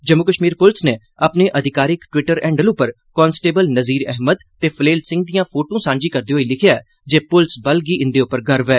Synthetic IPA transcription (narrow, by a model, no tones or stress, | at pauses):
d͡ʒəmːʊkəʃmiːɾpʊlsneː | əpneːʔəd̪ʱɪkaːɾɪkʈwɪʈəɾɛ̃ːɳɖəlʊpəɾ | kɔːnsʈeːbəlnəziːɾɛɦməd̪t̪eːpʰəleːlsɪ̃ŋɡ̚d̪ijãːpʰoːʈõːsãːɲd͡ʒiːkəɾd̪iːɦoːiːlɪkʰjaːɛ | d͡ʒeːpʊlsbəlɡiːʔɪ̃nd̪eːʊpːəɾɡʱəɾʋɛː